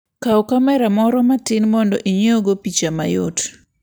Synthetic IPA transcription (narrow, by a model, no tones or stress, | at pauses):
kaokamɛɾamɔɾɔmatɪnmɔndɔ̰ʔiɲeoɡopit͡ʃama̰jo̰t